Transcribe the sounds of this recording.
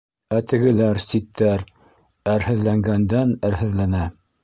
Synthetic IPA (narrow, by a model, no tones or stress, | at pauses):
æt̪ɘ̆ɡɘ̆læɾsit̪ʰːæɾ | æɾhɘ̆ðlæŋɡænd̪ænæɾhɘ̆ðlænæ